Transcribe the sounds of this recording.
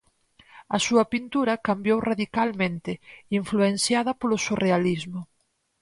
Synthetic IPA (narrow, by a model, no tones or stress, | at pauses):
ɐsuɐpint̪uɾɐkambjowraðikalmẽnt̪ɪiɱfluensjaðɐpolʊsurealizmʊ